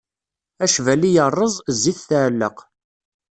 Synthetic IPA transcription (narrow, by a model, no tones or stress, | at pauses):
æʃvælijərˤːəzˤzːiθθəʕlːə̰q